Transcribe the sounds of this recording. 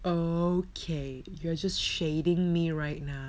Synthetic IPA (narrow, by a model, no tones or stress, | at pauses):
okʰe | juad͡ʒʌstʃeɪɾɪ̃ŋmiɹaɪt̚ⁿna